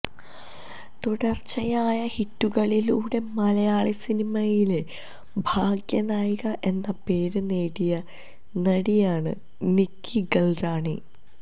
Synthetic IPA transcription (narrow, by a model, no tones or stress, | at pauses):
t̪uɽɐrt͡ɕɐjaːjɐhitːuɣɐɭiluːɽe̞mɐlɐjaːɭisinimɐjile | bʱaːɡjɐnaːjɣɐʔe̞nːɐpe̞ːɾuneːɽijɐ | nɐɽijaːɳɨ̰ | nikːiɡɐlraːɳḭ